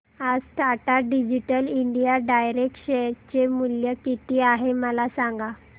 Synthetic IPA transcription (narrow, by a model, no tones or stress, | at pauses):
ad͡zʈ̪ʰaʈaɖid͡ʑiʈəliɳɖijaɖajɾek̚ʈɕeɾt͡ɕemuljəkit̪iːaɦeməlasaŋɡa